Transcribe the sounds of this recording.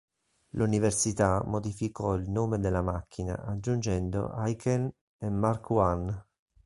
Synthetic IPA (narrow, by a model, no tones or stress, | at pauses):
luniversit̪amod̪ifikɔilnoːmed̪elːamakːina̰ʔad͡ʒːund͡ʒɛnd̪o̰ʔajkʰɛn | emːarkwan